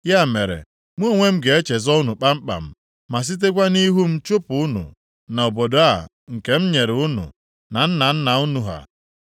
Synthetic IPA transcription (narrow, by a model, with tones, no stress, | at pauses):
ja˦˨me˨ɾḛ˨ | m̩ʷ˦o˦˨ŋʷe˦m̩˦ɡe˨e˦t͡ʃe˨zɔ˦ʊ˦nu˨k͡pa˦m̩˦k͡pa̰˨m̩˦ | ma˨s̬i˦t̬e˦k̬ʷa˦ni˦ɦu˦m̩˦t͡ʃo˦pʊ˨ʊ˦nṵ˨ | na˨o˨bo˨do˨a˦˨ | ŋ̩˨ke˨m̩˦ɲe˨ɾʊ˦nṵ˨ | na˨n̩˦na˨n̩˦na˨ʊ˦nu˨ɦa̰˨